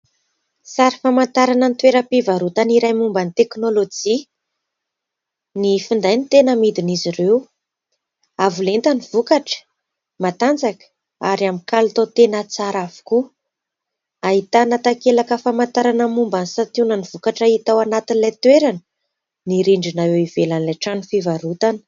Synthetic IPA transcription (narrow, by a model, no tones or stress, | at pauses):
saɾifamant̪aɾanənit̪weɾəpivaɾut̪aniɾajmumbanit̪eknolod͡ʒi | nifind̪ajnit̪enəmid̪iniziɾew | avulent̪anivukaʈ͡ʂə̥ | mat̪and͡zakə̥ | aɾiamikalut̪at̪enat͡saɾavu̥ku | aɦit̪anat̪akelakəfamant̪aɾanəmumbanisat̪unanivukaʈ͡ʂait̪awanat̪inilat̪weɾanə | niɾiɳɖ͡ʐinawewivelanilaʈ͡ʂanifivaɾut̪anə̥